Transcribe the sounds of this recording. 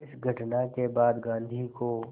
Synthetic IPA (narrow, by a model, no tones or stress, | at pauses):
ɪsɡʱɐʈnakebaːd̪ɡãːnd̪ʱiko